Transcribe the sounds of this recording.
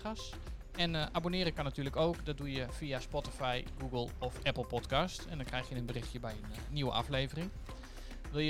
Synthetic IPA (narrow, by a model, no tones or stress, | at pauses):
as | ɛnʔabonɪːɾəkanatyːləkoːkdɔt̚dujəfiaspɔtifajɡuɡəlˠɔfʔɛpl̩ˠpɔtkastɛ̰ndɔnkrɛjxjənənbərɪxtjəbɛjənnːiwə̰ʔafleːvərɪŋ | ʋɪlˠjə